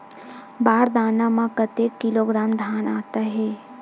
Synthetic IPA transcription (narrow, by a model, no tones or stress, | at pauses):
baːɾd̪aːnamãkət̪eːkːɪloːɡɾaːmd̪ʱjaːnaːt̪aɦɛː